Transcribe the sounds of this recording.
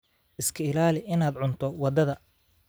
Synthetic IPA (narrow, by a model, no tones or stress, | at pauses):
ʔɪskʰɐɪlaːlɪʔɪnaːd̪ʕʊnt̪ʰɔwɑd̪ɐðɐ